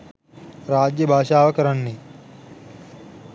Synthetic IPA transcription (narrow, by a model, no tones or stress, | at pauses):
ɾaːd͡ʒjɐbʱaːʃaːʋɐkɐɾɐnːe